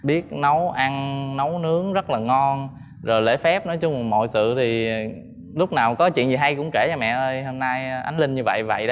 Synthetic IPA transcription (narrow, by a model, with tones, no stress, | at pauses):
ɓi˦˥ət̚no˨˦wʔa˧nno˨˦wnɨ˨˦əŋzə˦˥t̚laː˨˩ŋɔ˧n | zo˨˩jlḛ˧˥fɛ˦˥p̚nɔ˨˦jt͡ɕʊ˧ŋ͡mmo̰˧˨jsɨ̰˧˨t̪ʰi˨˩ | lʊ˦˥k͡p̚naː˨˩wkɔ˨˦t͡ɕwḭ˧˨ənzi˨˩ɦa˧jkʊ̰˧˥ŋ͡mke˧˩t͡ɕa˧mɛ̰˧˨ʔəː˧jhoː˧mna˧jʔa˨˦jŋ̟lï˧ŋ̟ɲɨ˧və̰˧˨jvə̰˧˨jɗə˧˦